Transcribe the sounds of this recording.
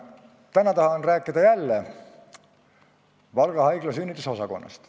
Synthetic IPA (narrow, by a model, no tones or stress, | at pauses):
t̪ænɑt̪ɑhɑnræːkˑːid̪ɑjælːe | vɑlɡ̥ɑhɑjɡ̥lɑsynʲːit̪ːˑuso̞sɑko̞̰nːɑ̰st̪